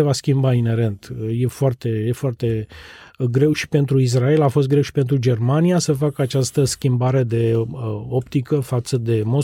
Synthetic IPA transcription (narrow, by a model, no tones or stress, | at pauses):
evaskʲimbaine̞ɾe̞nt̪je̞foart̪e̞jefoart̪e̞ | ɡɾe̞wʃi̥pe̞nt̪ɾuis̬rae̞lafost̪̚ɡɾe̞wʃi̥pe̞nt̪ɾud͡ʒe̞rmanijasəfakəat͡ʃast̪əskʲimbaɾe̞d̪e̞o̞pt̪ikəfat̪səd̪e̞mo̞